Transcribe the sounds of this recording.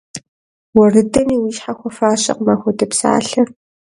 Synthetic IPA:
wɔrɨdɐmiːwiːʃħaxʷɔfaːɕʼɐ̰qmaxʷɔdɐpsa̰ːɬɐ

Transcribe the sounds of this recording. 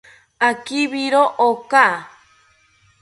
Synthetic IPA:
akiβiɾoʔoka

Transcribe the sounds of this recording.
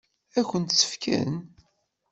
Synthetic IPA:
æçənt̪sːə̥fkæ̰n

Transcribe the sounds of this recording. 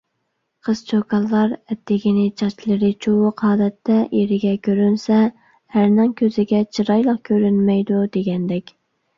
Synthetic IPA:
qʰəz̥t͡ʃʰokʰɑlˠːɑɾɛt̪ːɪɡʲinɪt͡ʃʰɑt͡ʃlˠəɾɨt͡ʃʰowʊqɑːd̪ɛt̪ːɛjeɾɪɡʲɛkʲøɾynsɛ | hæɾnɪŋkʲʰøzɪɡʲɛt͡ʃʰɨɾɑjlˠəq̚kʲʰøɾynmɛjd̪ud̪eɡʲɛnd̪ɛkʲ

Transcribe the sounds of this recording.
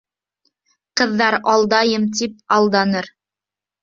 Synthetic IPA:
qɤ̆ðːɑɾɑlˠd̪ɑjɤmt̪ip̚ɑlˠd̪ɑnɤɾ

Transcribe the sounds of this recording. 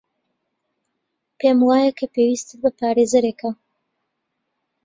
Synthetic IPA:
pʰeːmwaːjɐkʰɐpewiːst̪ɨtbɐpaːɾezɐɾeːkʰɐ

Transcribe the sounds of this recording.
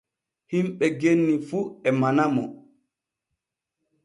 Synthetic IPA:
himɓɛɡenːifuɛmanamɔ

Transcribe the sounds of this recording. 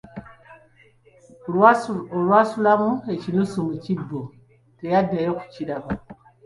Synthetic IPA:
oɾwasulamuet͡ʃinusumut͡ʃibo | tejadajɔku̥t͡ʃiɾaba

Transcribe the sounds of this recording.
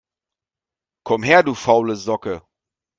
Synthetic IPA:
kʰɔmɦeːɐduːfaʊləzɔkə

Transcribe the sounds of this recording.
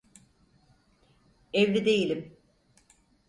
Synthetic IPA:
evlʲid̪e̞jilʲim

